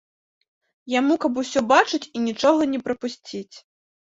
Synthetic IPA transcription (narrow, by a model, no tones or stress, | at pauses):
jamukɐp̬usʲɔbat͡ʂɨt͡sʲinʲit͡ʂɔɣɐnʲɛpɾɐpusʲt͡sʲit͡sʲ